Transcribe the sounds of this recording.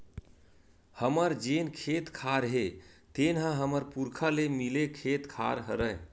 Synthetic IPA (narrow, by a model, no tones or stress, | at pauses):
həməɾd͡ʒenkʰet̪kʰaɾɦe | t̪enɦãɦəməɾpuɾkʰalemilekʰet̪kʰa̰ɾɦəɾəj